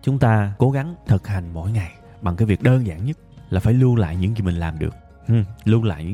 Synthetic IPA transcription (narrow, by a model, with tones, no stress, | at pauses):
t͡ɕʊ˨˦ŋ͡mt̪aː˧ko˨˦ɣa˨˦ŋt̪ʰə˨˩t̚ha˨˩jŋ̟mo̰˧˥jŋa˨˩j | ɓa˨˩ŋkaː˨˦jvi˨˩ək̚ɗəː˧nza̰ː˧˨nɲə˦˥t̚laː˨˩faː˧˩jlu˧la̰ː˧˨jɲɨ̰˧˥ŋki˧mï˨˩ŋ̟laː˨˩mɗɨ˨˩ək̚ | hlu˧la̰ː˧˨jɲɨ̰˧˥